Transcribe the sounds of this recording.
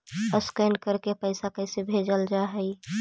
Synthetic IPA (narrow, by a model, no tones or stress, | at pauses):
əskənkəɾkepəɪsakəɪsebʱeːd͡ʒəld͡ʒaɦɛi